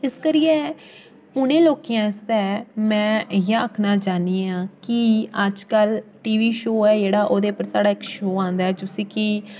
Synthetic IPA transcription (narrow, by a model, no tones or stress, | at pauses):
ɪskəɾɪːɛː | ʊnẽːloːkijãːɪst̪ɛːmɛ̃ːjaəkʰnaːd͡ʒaːniːãːkɪəd͡ʒkəlʈiːʋiːʃoːɛːd͡ʒeːɽaːʔoːd̪eːpəɾsaːɽaːɪkʃoːãːnd̪aːɛːd͡ʒʊsĩːkɪ